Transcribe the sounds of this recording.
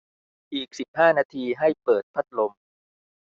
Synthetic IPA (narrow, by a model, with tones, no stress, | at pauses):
ʔiː˨˩k̚si˨˩p̚haː˥˩naː˧t̪ʰiː˧ɦa˥˩jpɤː˨˩t̪̚pʰa˦˥˩t̪̚lo˧m